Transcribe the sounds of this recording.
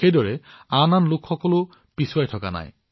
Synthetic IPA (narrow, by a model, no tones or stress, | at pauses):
ejdɔɹɛananlʊkʰxɔkɔlo | pisuwajtʰɔka̰na̰j